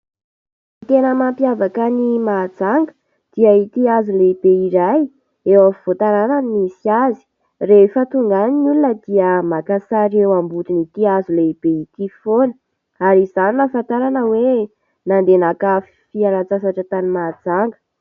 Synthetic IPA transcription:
it̪enəmampiavakənimad͡zaŋɡə̥ | d̪̥iəit̪iazuleib̥eiɾaj | ewəfv̥ot̪aɾananimisiazi̥ | refət̪uŋɡaninulunəd̪iəmakasaɾewambut̪init̪iazuleib̥eit̪ifonə | aɾizaninəfant̪aɾanəwe | nand̪enakaf | fialat͡sasaʈ͡ʂət̪animad͡zaŋɡə̥

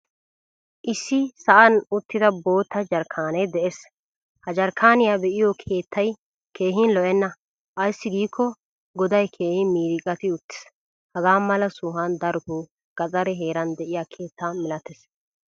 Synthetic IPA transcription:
ʔɪsːɪsɐʔɐnʊt̪ːɪd̪ɐbo̞ːt̪ːɐd͡ʒɐɾkʰaːnɛjd̪ɛʔes | hɐd͡ʒɐɾkʰaːnɪjabɛʔɪjɔkʰe̞ːt̪ːɐj | kʰe̞ːɦɪnlɔʔɛnːɐ | ʔɐjsːɪɡiːkʰːɔ | ɡɔd̪ɐjkʰe̞ːhɪmiːɾɪkʼɐt̪ɪʊt̪ːɪ̥s | hɐɡaːmɐlɐsʊːɦɐnd̪ɐɾʊtu | ɡ̥ɐt͡sʼɐɾɛɦe̞ːɾɐnd̪ɛʔɪjaːkʰe̞ːt̪ːaːmɪlɐt̪ɛs

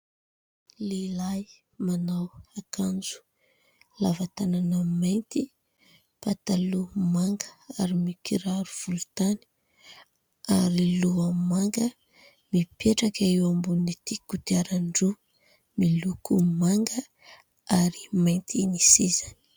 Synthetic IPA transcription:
lelaj | manawakʰand͡zu̥ | lavat̪ananəmajnt̪i | pat̪alumaŋɡəaɾimikiɾaɾuv̥ulut̪ani̥ | aɾiluamaŋɡə | mipeʈ͡ʂakaiwambunit̪ikut̪iaɾaɳɖ͡ʐu | milukumaŋɡə | aɾi̥majnt̪ʰinisizani̥

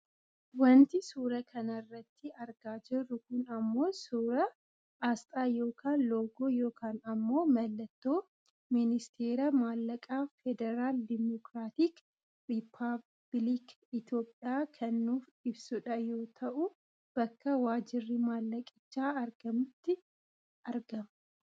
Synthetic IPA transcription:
wɐnt̪ɪsuːɾɐkʰɐnɐrːɐt̪ːɪɐɾɡaːd͡ʒɪrːʊkʊnɐmːo̞ːsuːɾɐ | aːst̪ʼaːjo̞ːkʰaːnlo̞ːɡoːjo̞ːkʰaːnɐmːo̞ːmɐlːɐt̪ːoː | mɪnɪst̪ʰeːɾɐmaːlːɐkʼaːfɛd̪ɛɾaːld̪ɪmɔkɾaːt̪iːk | rɪpʰːa | b̥lik | ɪt̪jo̞ːpʼːɪjaːkʰɐnːuːf | ɪbsʊᶑɐjo̞ːt̪ʰɐʔʊ | b̥ɐkːɐwaːd͡ʒɪrːɪmaːlːɐkʼɪ̥t͡ʃːaːɐɾɡɐmʊt̪ːɪ | ʔɐɾɡɐmɐ

